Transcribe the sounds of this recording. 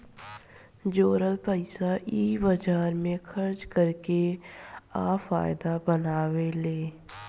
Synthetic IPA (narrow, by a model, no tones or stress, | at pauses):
d͡ʒoːɾəlpəɪsaʔiːbəd͡ʒaːɾmẽxʰɐɾd͡ʒkəɾke | aːfa̰ːjd̪abɐnaːweleː